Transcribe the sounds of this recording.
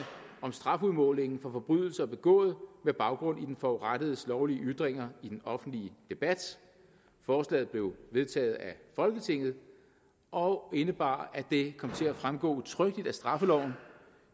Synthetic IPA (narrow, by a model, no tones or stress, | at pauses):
ɒ̽msd̥ʁɑ̈fuðˠmɔ̽ːle̝ŋn̩fɒ̽fɒ̽b̥ʁy̰ð̞̰ˠl̩sɐɒ̽b̥e̝ɡ̥ɔ̰̽ːð̞̩ˠmeb̥ɑ̈ʊɡ̥ʁɔ̽n̰id̥enfɒʁad̥əð̞̩ˠəslɒʊliəʔyd̥ʁeŋ̰ɐid̥enɒ̽fn̩d̥liəd̥e̝b̥æd̥ | fɒːslɛ̰ːð̩ˠb̥le̝ʊʋe̝ð̞ˠt͡sʰɛ̰ːð̩ˠæfɒ̽lɡ̥ət͡sʰe̝ŋ̰ð̞̩ˠ | ʔɒ̽e̝nəb̥ɑ̰̈ːæd̥e̝kʰɒ̽m̰t͡sʰe̝læfʁamɡ̥ɔ̰ːt͡sʰʁœɡ̥̚d̥id̥æsd̥ʁɑ̈fəlɒʊ̰n̩